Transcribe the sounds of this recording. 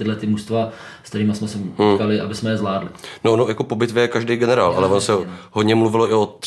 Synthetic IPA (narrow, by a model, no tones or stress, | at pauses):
t̪ɪdlɛt̪ɪmust̪vask̪t̪ɛɾiːmasmɛsɛkalɪʔa̰bɪsmɛjɛzlaːdlɪnoonojakopo̞bɪt̪vjɛkaʒdejɡɛnɛɾaːlʔa̰lɛvonosɛɦodɲɛmluvɪloɪot̪